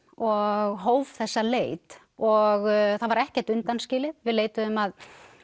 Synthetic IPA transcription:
ɔɣɦoːwvθɛsːaleːjt̪ | ɔɣθavaɾɛhcɛɾ̥t̪ʏnt̪anscɪːlɪvɪðleːjt̪ʏʏmað

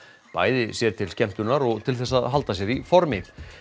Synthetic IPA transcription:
pa̰ːjðɪsjɛɾ̥t̪ʰɪlscɛm̥t̪ʏnaɾɔɣt̪ʰɪlθɛsːaðɦal̪t̪asjɛɾifɔɾmɪð

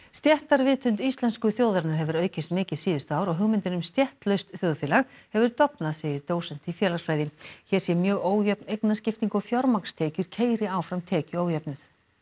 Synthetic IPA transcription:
st̪jɛht̪aɾvɪːt̪ʰʏnt̪ist̪lɛnskʏθjoːwðaɾnaɾ̥ɦɛvʏɾœːɥcɪst̪mɪːcɪðsiːðʏst̪aːwɾɔɣɦʏɣmɪnt̪ɪnʏmst̪jɛht̪lœɥst̪θjoːðfɪːlaɣhɛvʏɾt̪ɔpnaðseːjɪɾt̪oːwsɛn̥t̪ifjɛːlaɾ̥fɾaːjðɪçɛɾ̥sjɛmjœːɣoːwjɛpnejknascɪft̪iŋkɔɣfjɔɾmakst̪ʰeːcʏɾ̥cʰeːjɾɪaːwfɾamt̪ʰɛːcʏoːwjɛpnʏθ

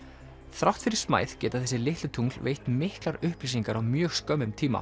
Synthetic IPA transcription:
θɾawht̪fɪɾɪ̥ɾ̥sma̰ːjðcɛːt̪aθɛsːɪlɪht̪lɪt̪ʰuŋlvḛjht̪mɪhklaɾʏhplisiŋkaɾawmjœːɣskœmʏmt̪ʰiːma̰

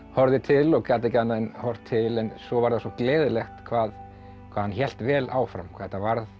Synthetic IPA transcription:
hɔɾðɪt̪ʰɪlɔɣkaːt̪ɛcanːaɪnhɔr̥t̪ʰːɪlɛnsɔvaɾðasɔklɛːðɪlɛxt̪kʰvaːð | kʰvaːðhançɛl̥t̪vɛːlaːwfɾa̰mkʰvat̪ːavaɾð

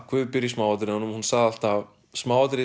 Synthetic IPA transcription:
kʰvʏðpɪɾjismaːwvat̪̬ɾɪðanʏmhunsaɣðal̥t̪av | smaːwat̪ɾɪ

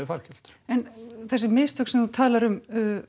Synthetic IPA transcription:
faɾ̥cɛl̥t̪ɛnθɛsɪmɪðst̪ʏksɛmθut̪ʰaːlaɾʏmʏ

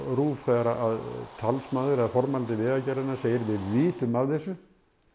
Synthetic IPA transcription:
ruːvθɛɣaɾaʔaðt̪ʰalsmaːðʏɾaðfɔɾmalt̪ɪvɪðacaɾɪnḁseːjɪɾvɪðviːt̪ʏmːaðθɛsʏ

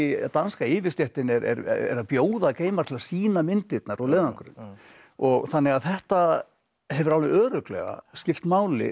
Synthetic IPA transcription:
ɪt̪anskaɪːvɪ̥st̪jɛht̪ɪnɛɾɛ̰ɾ̰ɛ̰ɾapjoːwðakeːjmaɾ̥t̪ʰɪlaɾsiːnamɪnt̪ɪt̪naɾɔleːðaŋkʏɾʏ̰m | ɔɣθanːɛɣaðθɛht̪a | ɦɛvʏɾawlvɪœːɾʏklɛ̰ɣa̰scɪft̪maːwlɪ̰

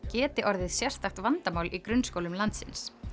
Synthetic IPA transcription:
cɛːt̪ɪʔɔɾðɪðsjɛr̥t̪axt̪vant̪amaːwlʔikɾʏnːskowlʏmlant̪sɪns

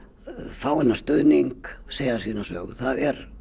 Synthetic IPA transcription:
faːwɛnast̪œːniŋkseːjðasiːnasœːɣʏ̰θaðɛɾ

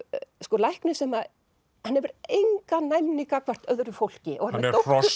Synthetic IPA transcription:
skɔlajhknʏsɛma | hanhɛvʏɾejŋkanajmnikakʰvɛr̥t̪œðɾʏfowl̥cɪʔɔ̰hanɾɾowfɔ

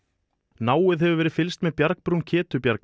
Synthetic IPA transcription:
naːwɪðɦɛvʏvɛːɾɪfɪlst̪mɛðpjaɾk̚pɾuncʰɛːt̪ʏpjaɾk

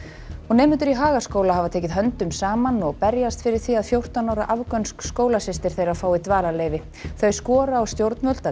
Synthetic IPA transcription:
ɔɣnɛːmʏnt̪ʏɾiɦaːɣaskoːwlaɦavat̪ʰeːcɪðɦœnt̪ʏmsaːmanɔɣpɛɾjast̪fɪɾɪɾ̥θiaðfjowr̥t̪anawɾaʔavkœnskskoːwlasɪst̪ɪɾ̥θejɾafaːwit̪vaːlaleːjvɪ | θœɥskɔːɾaːwst̪jowɾt̪nmœlt̪a

